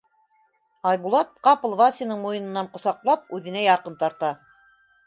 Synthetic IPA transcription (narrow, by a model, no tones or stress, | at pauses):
ɑjbulˠɑt̪̚qɑpɤ̆lˠvɑsʲinɤɴmujɤ̆nɤ̆nːɑɴqŏsɑqlˠɑp̚ʉðɘ̆næjɑqɤnt̪ɑɾt̪ɑ